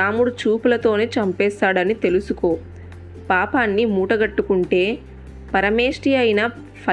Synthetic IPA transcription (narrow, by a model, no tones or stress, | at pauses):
aːmuɽut͡ʃuːpulɐt̪o̞ːne̞ːt͡ʃɐmpɛːst̪aːɽɐnit̪e̞lusuko̞ː | paːpaːnːimuːʈɐɡɐʈːukuɳʈe̞ː | pɐɾɐmeːʂʈiɐjinɐ | pʰɐ